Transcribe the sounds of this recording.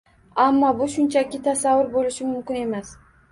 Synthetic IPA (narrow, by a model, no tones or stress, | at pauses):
amːɒbʊʃʊnt͡ʃʰakʲɪt̪ʰasavːʊɾbolɪʃɪmʊmkʲɪne̞mas